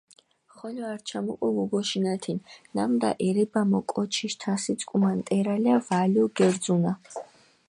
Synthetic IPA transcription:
χɔlɔaɾt͡ʃʰamukʼɔvuɡɔʃinat̪ʰinnamd̪a̰ʔɛɾɛbamɔkʼɔt͡ʃʰiʃt̪ʰasit̪sʼkʼumant̪ʼɛɾaliavaliɔɡɛɾd̪zuna

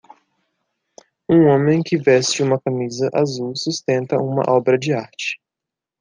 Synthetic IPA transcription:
ũõmẽj̃kɪvɛst͡ʃɪũmɐkɐmizɐʔazuwsust̪ẽnt̪ɐũmɐ̰ʔɔbɾɐd͡ʒɪaɾt͡ʃɪ̥

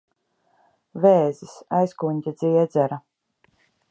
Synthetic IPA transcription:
vɛːzisajskunʲt̪ʲɛd̪ziɛd̪zɛɾa

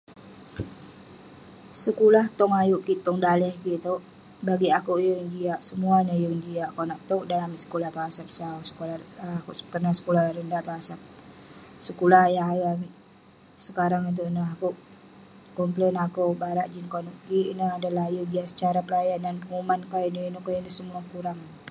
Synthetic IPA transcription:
səkulaht̪ɔŋajuʔkiʔt̪ɔŋdalɛhkit̪oʔ | baɡiakuʔjəŋd͡ʒiaʔsəmuaɲajəŋd͡ʒiaʔakonaʔt̪oʔdanamiʔsə̥kulaht̪oasap̚sawsə̥kolakukənasə̥kulahɾəndat̪oasap̚ | səkulahjaŋajoʔamiʔ | səkaɾaŋit̪̬uʔnəɦakoʔ | kɔmplɛnakowbaɾaʔd͡ʒinkanuʔkiʔnəhadalahjuʔd͡ʒiaʔsə̥t͡ʃaɾapəlajandanpəŋumankainəinukajinəhsəmuakuɾaŋ

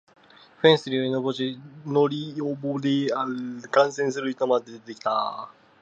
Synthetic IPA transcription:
ɸẽɰ̃sɨɾʲioĩnoboɕinoɾʲiobod̪eakãɰ̃sẽɰ̃sɨɾɯçit̪omad̪ed̪et̪ekʲi̥t̪a

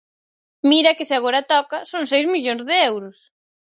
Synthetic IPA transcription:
miɾɐkɪsɪaɣoɾɐt̪ɔkɐsoŋs̬ejzmiʎoŋzðɪɛwɾʊs

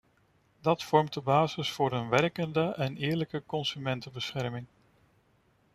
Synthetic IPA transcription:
dɑtfɔɹmt̚dəbaːzɪsfʊːɾənʋɛrkəndəʔɛnɪːɹləkəkɔnsymɛntəbəsχɛɹmɪŋ

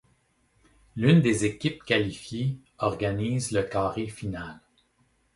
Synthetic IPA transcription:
lynd̪ezekʲɪp̚kʲalifje | ɔʁɡaniːzləkɑːʁefinal

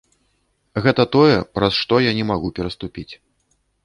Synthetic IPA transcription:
ɣɛt̪ɐt̪ɔjɛpɾɐsʂt̪ɔjanʲɛmaɣupʲɛɾɐst̪upʲit͡sʲ

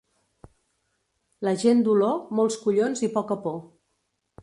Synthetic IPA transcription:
ləʒend̪ulɔmolˠskuʎonzipɔkəpɔ

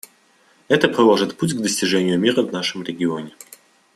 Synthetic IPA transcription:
ɛt̪əpɾʲɪlˠoʐɨt̪putʲɡd̪əsʲtʲɪʐɛnʲɪjʊmʲiɾəvnaʂɨmɾʲɪɡʲɪonʲɪ

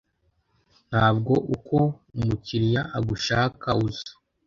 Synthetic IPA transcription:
n̥haːbɡo̞ʔukoumuciɾjaʔaɡuʃaːkauzo̥

